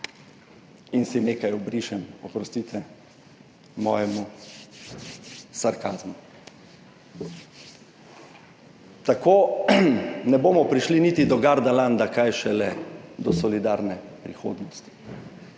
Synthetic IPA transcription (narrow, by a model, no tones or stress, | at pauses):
insineːkajɔbɾiːʃɛmɔpɾɔst̪it̪ɛ | mɔ̰ːjɛmu | saɾkaːzmu | t̪akoː | nɛboːmɔpɾiʃlinit̪id̪ɔɡaɾd̪aland̪akajʃɛlɛd̪ɔsɔlid̪aɾnɛpɾixo̰ːd̪nɔst̪i̥